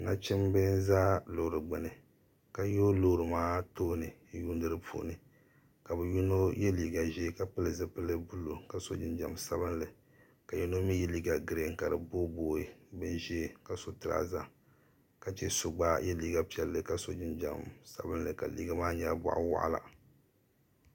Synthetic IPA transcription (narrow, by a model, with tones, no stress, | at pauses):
na̰˦t͡ʃɪ˦mbɛ˦nzaː˦lo˨ɾɨ˨ɡ͡bɛ˨nɨ˨ | ka˨jo˦lo˦˨ɾɨ˨maː˦toː˦nɨ˨˦ju˦n˦dɨ˦ɾɨ˦pʰṵ˦˨˦nɨ˨ | ka˨bɨ˨ju˦no˦jɛ˦liː˨ɡa˨ʒeː˦ka˦pɨ˦lɨ˨zɨ˦pɨ˦lɨ˦bu˦lu˨ka˨so˦d͡ʒɪ˦nd͡ʒa̰˨msa˦βɨ˦nlɨ˨ | ka˨ju˦no˦mi˦jɛ˦li˦ɡa˨ɡɨ˨ɾe˨˦ŋ˨ka˨ɾɨ˨bo˦boː˦i˨bɨ˦nʒɛ˦ka˨so˦tɨ˨ɾa̰˨za̰˦ | ka˨t͡ʃɛ˦so˦ɡ͡baː˦jɛ˦liː˦ɡa˨pi˦ɛ˨lːɨ˦ka˨so˦d͡ʒɪ˦nd͡ʒa̰˨msa̰˦bɨ˦nlɨ˨ka̰˨lḭ˦ɡa˦maː˦ɲa˦bɔ̰˨ʔʊ̰˦wa̰˨ʔla̰˨